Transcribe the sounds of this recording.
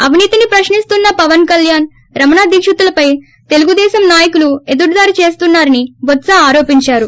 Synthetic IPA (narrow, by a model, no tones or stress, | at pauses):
ɐʋʱiniːt̪inipɾɐʃnist̪unːɐpɐʋɐnkɐljaːn | ɾɐmɐnaːd̪iːkʂɐt̪ulɐpɐj | t̪e̞luɡud̪ɛːʃɐmnaːjɐkulue̞d̪uɽd̪aːɾit͡ʃe̞ːst̪unːaːɾɐnibɔt̪sɐaːɾoːpiɲt͡ʃaːɾu